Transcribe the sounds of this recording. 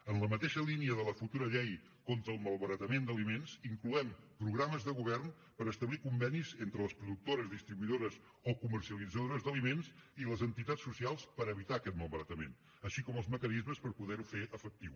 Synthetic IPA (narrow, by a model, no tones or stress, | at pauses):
ənləmət̪eʃəliniəðələfut̪uɾəʎɛj | kɔnt̪ɾəːlˠməlˠβəɾət̪əmend̪əlimensiŋkluɛmpɾuɣɾaməzðəɣuβɛrn | pəɾəst̪əβlikumbɛnizent̪ɾələspɾuðuk̚t̪oɾəzðist̪ɾiβuiðoɾəz | okumərsiəlid͡zəðoɾəzðəlimensiləzənt̪it̪at͡ssːusialˠspəɾəβit̪aəkɛt̪məlˠβəɾət̪əmḛn | əʃikɔməlˠzməkənizməspəɾpuðɛɾufeʔəfək̚t̪iw